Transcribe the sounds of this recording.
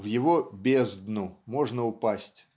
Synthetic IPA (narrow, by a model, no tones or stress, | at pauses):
vjɪvobʲezd̪numoʐnəʊpasʲtʲ